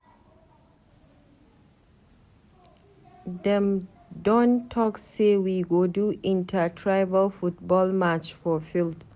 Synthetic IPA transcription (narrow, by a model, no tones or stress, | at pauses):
dɛ̃m | dɔ̃ntʰɔksewiɡoduʔĩntʰatʰɹaɪvəlfut̚bɔlmat͡ʃfɔfilt